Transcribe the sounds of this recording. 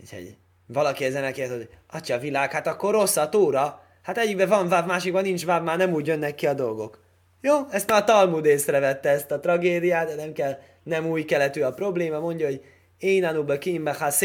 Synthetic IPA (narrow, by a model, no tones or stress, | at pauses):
ṵcʰho̰ɟ | vɒlɒkiɛzɛnɛkeːt̪oɒt͡ʃɒvilaːkhat̪ɒkːo̞rːo̞sːɒt̪oːɾɒ | hat̪ɛɟːikbɛvɒɱvabmaːʃik̚bɒnːint͡ʃvaːbmaːrnɛmuːɟjønːɛkːiɒd̪o̞lɡo̞k | joːɛst̪maːt̪ɒlmud̪eːsrɛvɛt̪ːɛɛst̪ɒt̪rɒɡeːd̪ijaːt̪̚d̪ɛnɛmkɛl | nɛmuːjkɛlɛt̪yɒpro̞bleːmɒmo̞ɲɟɒɦoɟ | eːnanubøkimbɛxas